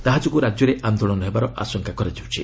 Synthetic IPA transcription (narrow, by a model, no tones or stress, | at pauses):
t̪aɦad͡ʒɔkuɾad͡ʒjɔɾeʔand̪ʱɔɽ̃ɔnɔɦebaɾɔʔa̰sɔŋkakɔɾed͡ʒibwt͡ʃʰi